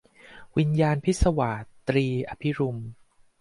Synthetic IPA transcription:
wi˧njaː˧npʰi˥t̪̚sa˧wa˨˩t̪ɾiː˧ʔa˧pʰi˦˥ɾu˧m

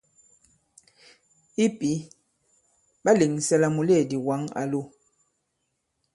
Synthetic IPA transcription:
i˦pi˨˦ | ba˦le˨ŋ˨sɛ˦la˦mu˨le˦˨di˨wa˨˦ŋa̰˨lo˦

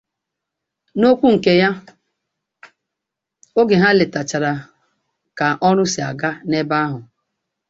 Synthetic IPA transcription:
no˦kʷu˦ŋ̩˨ke˦ja˦ | o˦ɡɪ˨ɦa˦lɪ˨ta˨t͡ʃa˨ɾa˨ | ka˨ʔɔ˦ɾʊ˦sɪ˨a̰˨ɡa˦ne˦ba˦ɦʊ˨

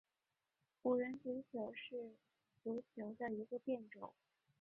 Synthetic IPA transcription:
u˨˩ɻə˧˥ntu˧˥t͡ɕʰjo˧˥ʊʂɻ̩˥˩ | tu˧˥t͡ɕʰjo˧˥ʊd̪ə˧i˧˥ɡə˧pjɛ˥˩nʈ͡ʂo˨˩˦

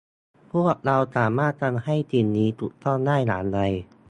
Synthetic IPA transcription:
pʰu˥˩ək̚ɾa˧wsaː˩˦maː˥˩t̪̚ka˧nha˥˩jt̪ʰiː˧nːiː˦˥t̪ʰu˨˩k̚t̪ɔ˥˩nːaː˥˩jla̰ː˩˦nɾa˧j

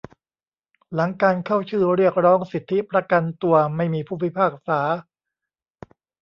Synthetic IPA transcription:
la˩˦ŋkaː˧nkʰa˥˩wt͡ɕʰɯː˥˩ɾi˥˩ək̚ɾɔː˦˥ŋsi˨˩t̪ʰːi˦˥pɾa˧ka˧nt̪u˧ɐma˥˩jmiː˧pʰuː˥˩wi˦˥pʰaː˥˩k̚saː˩˦

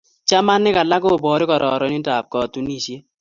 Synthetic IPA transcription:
t͡ʃa˦ma˦nːɪ˦ka˨la˦ko˦˨bɔː˨˦ɾɪ˦kɔ˨ɾɔ̰˨ɾɔ˨˦ni˦ta˨p̚kɔ˨tu˦ni˦˨sie˦

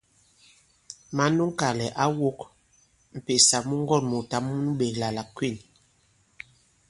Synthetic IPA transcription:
ma˨˦nu˦ŋ̩˦ka˨lɛ˨ʔa˦wo˦k | m̩˨pe˨sa˨mu˦ŋ˦ɡɔ˦˨nmu˨ta˦mu˦n˦ɓe˨kla˨la˨kwi˦˨n

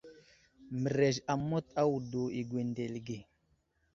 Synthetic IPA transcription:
mə˨ɾe˨ʒa˨mo˦t̪a˦wu˨do˨i˨ɡwe˨nde˨lɡe˨

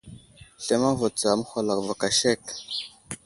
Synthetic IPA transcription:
ɬe˦ma˦vo˨t͡sa˨mə˦xʷa˨la˨kva˨ka˨ʃe˦˨k

